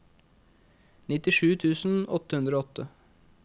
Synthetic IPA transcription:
nɪt̪ɪʂʉːt̪ʰʉːsn̩ɔt̪əhʉnd̪ɾoːɔt̪ʰːə

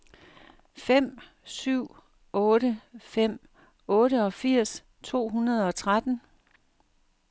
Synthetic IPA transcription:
fem̰ | syʊ̰ | ɔ̽ːɾəfem̰ | ɔ̽ːɾəɒ̽fiɐ̰s | t͡sʰo̝̰ːɦunɐð̞ˠɒ̽t͡sʰʁad̥n̩

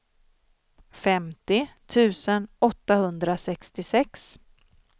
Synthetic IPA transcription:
fɛmt̪ɪt̪ʰʉ̟ːsənɔt̪ːahɵnd̪ɾasɛkst̪ɪsɛks

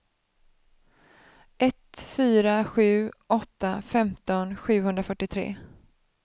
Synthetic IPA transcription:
ʔɛt̪fyːɾaɧʉ̟ːʔɔt̪ːafɛmt̪ɔnɧʉ̟ːɦhɵnd̪ɾafœʈːɪt̪ʰɾḛː

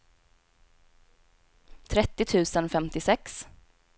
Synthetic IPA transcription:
t̪ʰɾɛt̪ːɪt̪ʰʉ̟ːsənfɛmt̪ɪsɛks

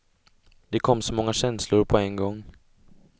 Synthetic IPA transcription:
d̪̥ɛkʰɔmːsɔmɔŋːaɕɛnslʊɾpʰɔɛnɡɔŋː

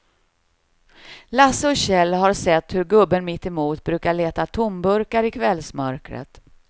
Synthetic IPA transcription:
lasəɔɕɛlːɦaɾsɛt̪ːhɵɾɡɵbːənmɪt̪ːɛmuːt̪bɾʉ̟ːkaɭeːt̪at̪ʰʊmbɵɾkaɾɪkʰvɛlːsmœɾkɾə̰t̪

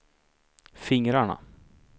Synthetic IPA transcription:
fɪŋɾaɳa̰

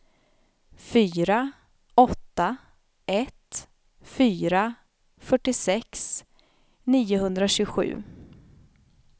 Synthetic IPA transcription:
fyːɾa | ɔt̪ːa | ɛt̪ | fyːɾa | fœʈːɪsɛks | niːʊhɵnd̪ɾaɕʉːɧʉ̟̰ː

